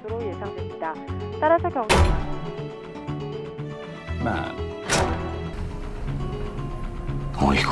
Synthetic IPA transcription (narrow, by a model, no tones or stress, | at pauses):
sʰoɾoje̞sʰaŋdwe̞mɲidat̪͈aɾasʰʌkjʌŋʰa | ma̰ | o̰ik